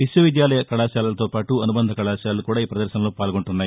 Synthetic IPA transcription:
ʋisjɐʋid̪jaːlɐjɐkɐɭaːʃaːlɐlɐt̪oːpaːʈuɐnubɐnd̪ʱɐkɐɭaːʃaːlɐlukuːɽaːiːpɾɐd̪ɐɾʃɐnɐloːpaːlɡo̞ɳʈunːaːji

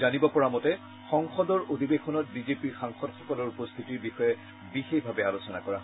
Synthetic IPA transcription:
zanibɔpɔɹamɔtɛ | xɔŋxɔdɔɹodʱibexɔnɔt̚bizepiɹxaŋxɔdxɔkɔlɔɹupost̪ʰitiɹbixɔjɛ | bixexbʱabɛalosɔna̰kɔɹa

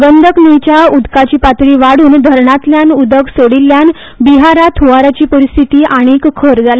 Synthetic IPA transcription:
ɡənd̪ʱəknijt͡ɕjaud̪kat͡ɕiːpat̪ɾiːʋaɽuːnd̪ʱəɾɳat̪ljanud̪əɡsoɽilːjan | biɦaɾat̪ʰuɦaɾat͡ɕiːpəɾist̪ʰit̪iːʔaɽ̃ikkʰəɾd͡zala

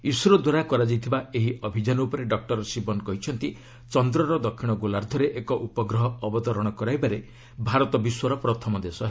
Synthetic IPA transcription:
isuɾɔd̪waɾakɔɾad͡ʒajt̪ʰibaeɦiʔɔbʱid͡ʒanɔupɔɾeɖɔk̚ʈɔɾɔsibɔnkɔɦit͡ʃʰɔnt̪i | t͡ʃɔnd̪ɾɔɾɔd̪ɔkʰːiɽ̃ɔɡulaɾd̪ʱɔɾeʔekɔʔupɔɡɾɔɦɔːbɔt̪ɔɾɔɽ̃ɔkɔɾajbaɾe | bʱaɾɔt̪ɔbiswɔɾɔpɾɔt̪ʰɔmɔd̪esɔɦe

